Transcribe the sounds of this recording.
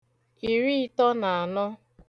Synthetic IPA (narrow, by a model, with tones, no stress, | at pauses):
i˨ɾi˦tɔ˦na˨a˨nɔ˦